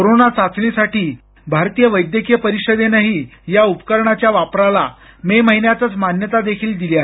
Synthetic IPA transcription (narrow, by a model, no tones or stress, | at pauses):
koɾonat͡sat͡sɳisaʈiː | bʱaɾt̪iːjəʋəjd̪jəkijəpəɾiɕəd̪enaɦiːjaupkəɾɳat͡ɕjaʋapɾala | meməɦinjat͡s̪ət͡smanjət̪ad̪ekʰiːld̪ilia